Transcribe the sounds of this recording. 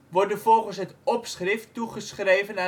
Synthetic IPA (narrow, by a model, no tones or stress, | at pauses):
ʋɔrdəfɔlˠχənsɦətɔpsχrɪftuχəsχrejvəna